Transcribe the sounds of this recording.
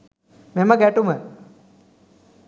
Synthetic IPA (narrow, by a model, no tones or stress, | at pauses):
memɐɡæʈumə